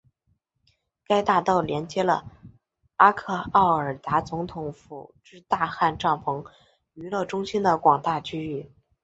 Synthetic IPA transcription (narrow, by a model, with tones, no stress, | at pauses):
ka˥ɪt̪a˥˧t̪ɑ˥˩ʊljɛ˧˥nt͡ɕjɛ˧˥lə̰˧ | a˥kʰɤ˥˧ɑ˥˩ʊə˞˨˩t̪a˧˥t͡sʊ˧˥ŋt̪ʰʊ˧˥ŋfṵ˨˩ʈ͡ʂɻ̩˥˧t̪a˥˧xa˥˧nʈ͡ʂɑ˥˩ŋpʰɤ˧˥ŋ | y˧˥lɤ˥˩ʈ͡ʂʊ˥ŋɕi˥nd̪ə˨kwɑ˨˩ŋt̪a˥˩t͡ɕʰy˥y˥˩